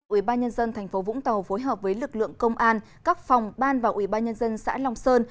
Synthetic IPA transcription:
ʔwi˧˩ɓaː˧nɲə˧nzə˧nt̪ʰŋ̟fo˨˦vʊ̰˧˥ŋ͡mt̪ə˨˩wfo˨˦jɦəː˨˩p̚vəː˨˦jlɨ˨˩k̚lɨ̰˧˨əŋkə˧wŋ͡mʔaː˧n | kaː˦˥k̚fa˨˩wŋ͡mɓaː˧nvaː˨˩wʔi˧˩ɓaː˧nɲə˧nzə˧nsa̰ː˧˥la˧wŋ͡msəː˧n

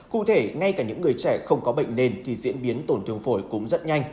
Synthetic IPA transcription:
kṵ˧˨t̪ʰe˧˩ŋa˧jkaː˧˩ɲɨ̰˧˥ŋːɨ˨˩əjt͡ɕɛ˧˩xə˧wŋ͡mkɔ˨˦ɓə̰˧˨jŋ̟ne˧nt̪ʰi˨˩zḭ˧˥ənɓi˨˦ənt̪o˧˩nt̪ʰɨ˨˩əŋfo˧˩jkʊ˨˦ŋ͡mzə˦˥t̚ɲa˧jŋ̟

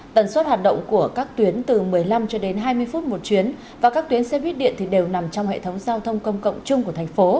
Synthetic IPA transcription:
t̪ə˧˩nswə˦˥t̚haː˨˩t̚ɗə̰˧˨wŋ͡mku˧˩əkaː˦˥k̚t̪wi˨˦ənt̪ɨ˨˩mɨ˨˩əjla˧mt͡ɕɔ˧ɗe˨˦nɦaː˧jmɨ˧əjfu˦˥t̚mo˨˩t̚t͡ɕwi˨˦ən | vaː˨˩kaː˦˥k̚t̪wi˨˦ənsɛ˧˥ɓi˦˥ət̚ɗḭ˧˨ənt̪ʰi˨˩ɗe˨˩wna˨˩mt͡ɕɔ˧wŋ͡mhḛ˧˨t̪ʰə˨˦wŋ͡mzaː˧wt̪ʰə˧wŋ͡mkə˧wŋ͡mkə̰˧˨wŋ͡mt͡ɕʊ˧ŋ͡mku˧˩ət̪ʰa˨˩jŋ̟fo˨˦

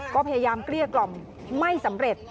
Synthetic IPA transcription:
kɔː˥˩pʰa˧jaː˧jaː˧mkli˥˩əklɔ˨˩mː | a˥˩jsa˩˦mɾe˨˩t̪̚

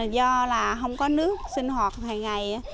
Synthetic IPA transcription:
zɔ˧laː˨˩ɦə˧wŋ͡mkɔ˨˦nɨ˦˥ək̚sï˧ŋ̟hwaː˨˩t̚haː˨˩ŋŋa˨˩j

